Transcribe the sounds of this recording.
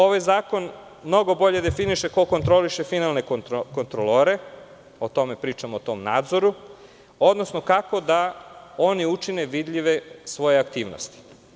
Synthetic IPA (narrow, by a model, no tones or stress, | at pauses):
o̞ʋajzaːko̞n | mno̞ɡo̞bo̞ʎe̞d̪efiniʃe̞ko̞ko̞nt̪ɾo̞liʃe̞finalne̞kkont̪ɾoloɾe | ot̪o̞me̞pɾiːt͡ʃamoːt̪o̞mna̰ːd̪zo̞ɾu | o̞d̪nosno̞kako̞d̪ao̞niut͡ʃine̞ʋid̪ʎʲiʋe̞sʋo̞jeakt̪iːʋno̰st̪i̥